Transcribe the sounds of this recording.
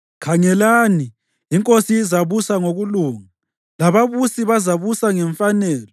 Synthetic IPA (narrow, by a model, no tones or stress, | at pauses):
kʰaŋɛlaniː | ŋkʼosiːzaβusaŋoɣuluːŋa | laβaβusiβazaβusaŋɛɱfanɛːlɔ